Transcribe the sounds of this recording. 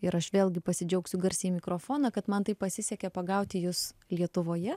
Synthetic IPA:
ɪɾɐʃʋʲeːlˠʲɡʲɪpɐsʲɪd͡ʒʲɛʊksʲʊɡɐɾʲsʲɛmʲɪkɾoːfoːnɐkɐt̪mɐnt̪ɐɪppɐsʲɪsʲɛkʲɛpɐɡɐʊt̪ʲɪjʊslʲiɛt̪ʊʋoːjɛ

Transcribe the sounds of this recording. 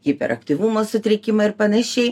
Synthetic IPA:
ɡʲipʲɛ̰ɾɐ̰k̚t̪ʲiʋumoːsʊt̪ʲɾʲɛkʲɪmɐɪɾpɐnɐʃʲɛɪ

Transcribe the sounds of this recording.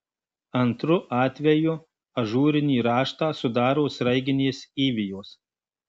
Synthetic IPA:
ɐnt̪ɾʊʔɑːt̪ʲʋʲɛjʊ | ɐʒuːɾʲɪnʲiːɾɑːʃt̪ɑːsʊd̪ɑːɾoːsɾɐɪɡʲɪnʲeːsiːʋʲɪjoːs

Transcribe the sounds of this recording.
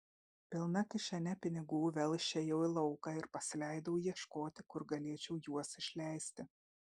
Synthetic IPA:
pʲɪlˠnɐkʲɪʃʲɛnʲɛpʲɪnʲɪɡuːʋʲɛlˠʃʲɛjɛʊɪlˠɒʊkɑɪɾpɐsʲɪlʲæɪd̪ɐʊjiɛʃkoːt̪ʲɪkʊɾɡɐlʲiɛt͡ʃʲɛʊjuɔsɪʃʲlʲæˑɪsʲt̪ʲɪ

